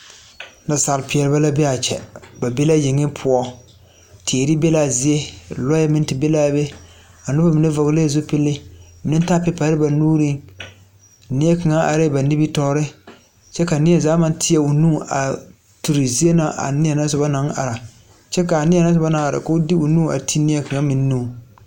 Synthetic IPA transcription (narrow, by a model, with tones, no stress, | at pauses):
na˨sa˨lɪ˨pɪ˨ɛ˨lɪ˨ba˦la˦bɛ˦a˨t͡ʃɛ̰˨ba˨be˦la˦jɪ˨ŋɪ˦pʰʊ˨ɔ˦ | tʰe˨ɾi˦bɛ˦la˦zi˦je˦lɔ˦ɛ˦mɪ˦n˦tɪ˨bɛ˦laː˦bɛ˦ | a˨nʊ˦ba˦mɪ˨nɛ˦va˨ɣleː˦˨zo˦pɪ˦lːɪ˦mɪ˨nɪ˦n˦ta˦pɛ˦pa˨˦ɾɪ˦ba˨nuː˦ɾi˦ | nɪ˦ɛ˦ka˨ŋa˦ʔa̰˨ɾɪ˦˨ba˨ni˦bi˦tɔː˦ɾɪ˦ | t͡ʃɛ˦ka˨nɪ˦ɛ˦zaː˨˦ma˦n˦tʰɪ˦jɛ˦u˨nu˦˨ʔa̰˨ | tu˨ɾi˨zi˦e˦na˨ʔa̰˨nɪ˦ɛ˨na˦sʊ˨ba˦na˦ŋa̰˨ɾa˨ | t͡ʃɛ˦ka˨nɪ˦ɛ˨na˦sʊ˨ba˦na˦ŋa˨ɾa̰˨ka˦ʊ˦di˦u˨nuː˦a̰˨tʰi˦nɪ˦ɛ˦ka˨ŋa˦mɪ˨n˦nũ˦˨